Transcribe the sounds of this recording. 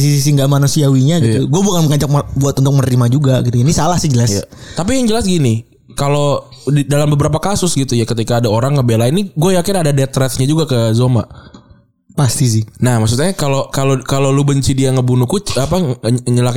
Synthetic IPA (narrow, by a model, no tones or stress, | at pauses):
sisis̬iŋɡamanusiawiɲaɡit̪uɡuabukanməŋaɲt͡ʃak̚mabuat̪unt̪ʊk̚mənəɾimad͡ʒuɡaɡit̪uainisalahsɪhd͡ʒəlast̪ap̬ijaŋd͡ʒəlasɡini | kalo | didalambəbəɾap̬akasʊsɡit̪ujakət̪ikaːdaoɾaŋːəbelainiɡuajakɪnadadɛt̪ɾɛt̪ɲad͡ʒuɡakəzoma̰ʔ | past̪is̬ɪnahmaks̬ut̪aɲakalokalokalolubəɲt͡ʃidiaŋəbunukut͡ʃapaɲəlak